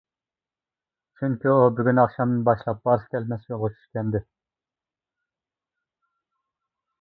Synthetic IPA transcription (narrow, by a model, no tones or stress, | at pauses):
t͡ʃʰyŋkʲyobyɡʲynɑχʃɑmnɨnbɑʃlˠɑp̚b̥ɑɾskʲʰɛlmɛsjolˠʁʊt͡ʃʰy̥ʃkʲɛnd̪ɪ